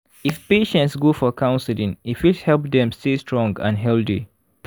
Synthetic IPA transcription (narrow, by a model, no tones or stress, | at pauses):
ifpeʃɛ̃ntsɡofɔkʰãʊ̃nsilĩŋifwihɛlp̚dɛ̃mstestʰɹɔ̃ŋɡã̰nɦɛlθḭ